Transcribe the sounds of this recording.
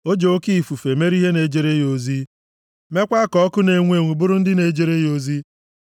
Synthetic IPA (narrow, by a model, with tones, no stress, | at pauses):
o˦d͡ʒe˨o˦ki˦˨fu˨fe˨me˦ɾi˦ɦe˦ne˨d͡ʒe˨ɾe˦jo˨zi˦ | me˦kʷa˦kɔ˦kʊ˦ne˨ŋʷ˦e˨ŋʷu˨bʊ˦ɾʊ˦n̩˦dɪ˦ne˨d͡ʒe˨ɾe˦jo˨zi˦